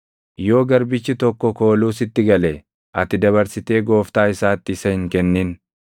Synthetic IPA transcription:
jo̞ːɡɐɾbɪt͡ʃːɪt̪ɔkːɔko̞ːluːsɪt̪ːɪɡɐlɛ | ʔɐt̪ːɪd̪ɐβɐɾsɪt̪e̞ːɡo̞ːft̪aːɪsaːt̪ːɪːsɐhɪŋkɛnːɪːn

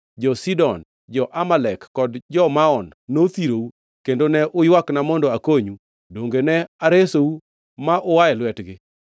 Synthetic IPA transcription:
d͡ʒɔsidɔn | d͡ʒɔʔamalɛkːɔdd͡ʒɔmaɔnːot̪iɾou | kendonɛʔʊjwaknamɔndɔakoɲu | doŋɡenɛaɾesou | maʔʊwaɛlwɛtɡɪ

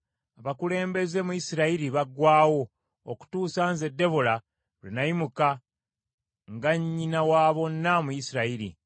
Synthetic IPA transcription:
aβakule̞ːmbe̞ze̞mujisiɾaiɾiβaɡwaːwo̞ | o̰ku̥tuːsanze̞dːe̞βola | linajimuka | ŋɡaɲːinawaːβo̞nːamujisiɾaiɾḭ

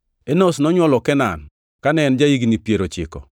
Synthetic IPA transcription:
enosnɔɲwɔlɔkɛna̰n | kanɛnd͡ʒaiɡnipjeɾot͡ʃɪ̰kɔ̰

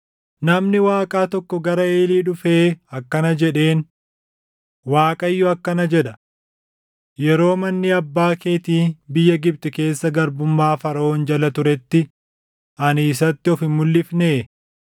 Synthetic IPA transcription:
nɐmnɪwaːkʼaːt̪ɔkːɔɡɐɾɐe̞ːliːᶑʊfeːɐkːɐnɐd͡ʒɛᶑe̞ːn | waːkʼɐjːʊɐkːɐnɐd͡ʒɛᶑɐ | jɛɾo̞ːmɐnːɪɐbːaːkeːt̪iːbɪjːɐɡɪb̚t̪ɪke̞ːsːɐɡɐɾbʊmːaːfɐɾɐoːnd͡ʒɐlɐt̪ʊɾɛt̪ːɪ | ʔɐniːs̬ɐt̪ːɪɔfɪmːʊlːɪfneː

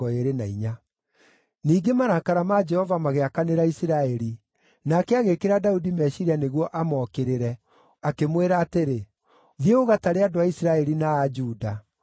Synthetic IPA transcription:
ɔeɾenaiɲa | niːɡemaɾakaɾamad͡ʒɛhɔvamaɣeakaneɾaisiɾaɛɾi | nakɛaɣekeɾadaudimɛʃiɾaneɣwɔʔamɔːkeɾeɾɛ | akemweɾaːteɾe | ðieɣoɣataɾeadoaisiɾaɛɾinaːd͡ʒuːda

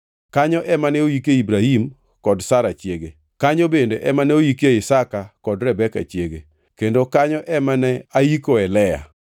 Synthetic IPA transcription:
kaɲɔʔɛmanɛojikeibɾahim | kɔdsaɾat͡ʃjeɡe | kaɲobendeʔɛmanɛojikeɪsakakɔdɾɛbɛka̰t͡ʃjeɡe | kendokaɲɔʔɛmanɛaikoɛlɛja̰

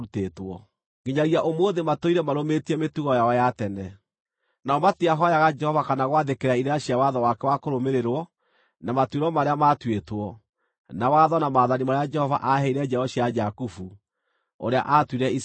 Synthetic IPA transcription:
utetwɔ | ɡeɲaɣiaʔomwoðematoiɾɛmaɾometiɛmetuɣɔjaɔjatɛnɛ | naɔmateaɦɔjaɣad͡ʒɛhɔvakanaɣwaðekeɾaiɾeaɕiawaðɔwakɛwakoɾomeɾeɾwɔ | namatweɾɔmaɾeamatwetwɔ | nawaðɔnamaːðanimaɾead͡ʒɛhɔva̰ʔaɦɛiɾɛd͡ʒɛɔɕiad͡ʒakufu | o̰ɾea̰ʔatwiɾɛis

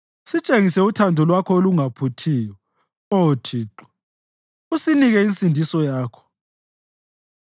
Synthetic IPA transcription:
sit͡ʃʼeŋisɛutʰandʱɔlwakʰɔoluŋapʰutʰiːjɔ | otʰiːǃɔ̥ | usiniɣɛinsʼindʱisɔjaːkʰɔ̥

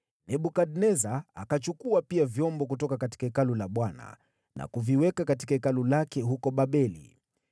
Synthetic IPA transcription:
nɛɓukaɗnɛzaːkat͡ʃukuapiavjɔmbɔkutɔkakati̥kaikalulaɓwana̰ | nʔa̰kuviwɛkakati̥kaikalulakɛɦukɔɓaɓɛlḭ

